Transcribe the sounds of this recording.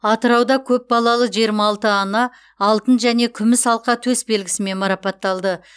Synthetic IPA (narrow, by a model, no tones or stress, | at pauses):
ɑt̪əɾɑwd̪ɑkʲʰɵp̚bɑlˠɑlˠəʒijəɾmɑːlˠt̪əɑnɑː | lˠt̪ənʒæne̞kʲʰʏmɪsɑlˠqɑt̪ʰɵsbe̞lɡʲɪ̥sɪme̞nmɑɾɑpɑt̪ːɑlˠd̪ə